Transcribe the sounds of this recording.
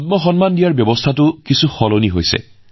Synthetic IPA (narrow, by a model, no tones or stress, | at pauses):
t̚mɔxɔnmandijaɹbjɔbɔstʰatʊkisuxɔloniɦojsɛ̰